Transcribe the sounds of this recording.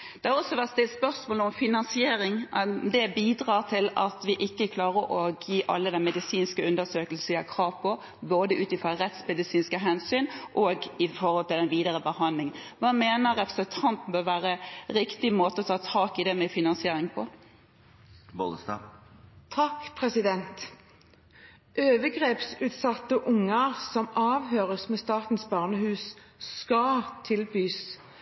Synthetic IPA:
d̪̥ɛhɑɔsːɔʋæʁst̪ɪspœʁsmoːləɔmfɪnɑnsɪeːɾɪŋd̪ɛbiːd̪ɾɑːʁt̪ʰɪlɑ̰t̪ʋɪʔɪkːəkʰlɑːɾəɾʔɔjiːʔɑ̰lːəd̪ɛnmɛd̪ɪsiːnskəʉnd̪əsøːkəls̩ʋɪækʰɾɑːʋpʰɔ | boːd̪əʔʉːt̪ɪfʁɔɾɛt̪smɛd̪ɪsiːnskəɦɛnsyːnʔɔɡɪfɔɾhɔlt̪ɪld̪ɛnʋiːd̪əɾəbəhɑndlɪŋənʋɑːmeːnəɾɛpɾəsət̪ʰɑnt̪bøʋæːɾəɾɪkt̪ɪmoːt̪əɔt̪ʰɑːt̪ʰɑːkɪd̪ɛmɛfɪnɑnsɪeːɾɪŋpʰɔ | bo̰əst̪ɑ̰ːt̪ʰɑkpʰʁɛsɪd̪ɛnt̪ | ʔøːʋəɡʁeːpsʉːt̪sɑt̪ːəʔʊŋːəɾsɔmɑːʋɦøːɾəsmɛst̪ɑːt̪n̩sbɑːʁnəhʉːsskɑt̪ʰɪlbyːs

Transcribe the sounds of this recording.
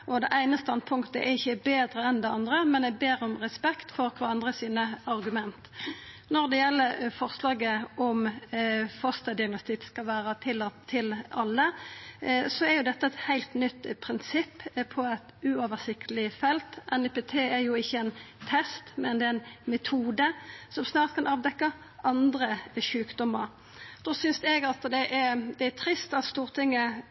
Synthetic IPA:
ʔɔd̪ɛʔæɪnəst̪ɑnpʰʊŋkt̪əʔɛɪçːəbeːd̪ɾəɛnd̪ɛɑnd̪ɾəmɛnæbeːɾɔmʁɛspɛkt̪fɔɾkʰʋɑːɑnd̪ʁəsiːnəɑʁɡʉmɛnt̪ | nɔʁd̪ɛjɛlːəɾfɔʁslɑːɡəʔɔm | fɔst̪ɑd̪ɪɑɡnɔst̪ɪkskɑlʋæːɾət̪ʰɪlt̪ʰɪlɑlːə | sɔɛɾjʊd̪ɛt̪ːəɛt̪hæɪlt̪nʏt̪ːpʰɾɪnsɪpːpʰɔɛt̪ʉoːʋəʁsɪkt̪əlɪfɛlt̪ʔɛnɪpet̪ʰeːɛɾjʊɪçːəɛnt̪ʰɛst̪mɛnd̪ɛːɛnmɛt̪ʰuːd̪əsɔmsnɑːʁt̪̚kʰɑnʔɑːʋd̪ɛkːɑ | ʔɑnd̪ɾəʃʉːkd̪ɔmːəɾ | d̪̥oːsʏnsɛɡɑt̪d̪ɛʔɛɾd̪ɛæt̪ʰɾɪst̪ɑt̪st̪uːʁt̪ʰɪŋːə

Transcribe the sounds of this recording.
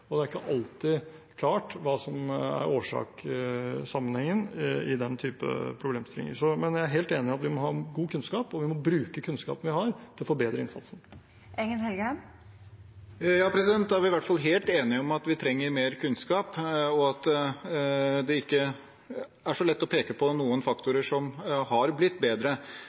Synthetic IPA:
ɔd̪ɛæɾɪkːəʔɑlt̪ɪ | kʰlɑːʈʋɑːsɔmæ̰ɾoːʂɑ̰ːk | sɑmːənhɛŋːənɪd̪ɛnt̪ʰyːpə̰pʰɾʊbleːmt̪ɪlɪ̰ŋə̰sɔmɛnjæɪæɾɦeːlt̪eːnɪɑt̪ʋɪmɔɦɑːɡuːkʰʉnskɑːpɔʋɪmɔbɾʉːkəkʰʉnskɑ̰ːpən̩ʋɪhɑɾt̪ʰɪlfoːbeːd̪ɾəɪnsɑ̰nsn | ʔɛŋənhɛlɡəhɛn | jɑːpʰɾɛsɪd̪ɛnt̪ːæɾʋɪʋæʈfɑlɦeːlt̪eːnɪɔmɑt̪ʋɪt̪ʰɾɛŋːəɾmeːɾkʰʉnskɑːpɔɑt̪ | d̪ɛɪkːə | æʂɔlɛt̪ːɔpʰeːkəpʰɔnuːənfɑkt̪ʊɾəʂɔmhɑɾblɪt̪ːbeːd̪ɾə

